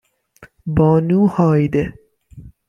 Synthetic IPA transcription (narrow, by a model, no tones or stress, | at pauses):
bɔːnuːhɒːjd̪e